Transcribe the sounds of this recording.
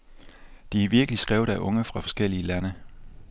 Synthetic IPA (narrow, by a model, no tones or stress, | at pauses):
d̥iæʋiɐɡ̥əlisɡ̥ʁɛʊð̩ˠæʔɔ̽ŋəfʁɑ̈fɒ̽sɡ̥el̰iəlænə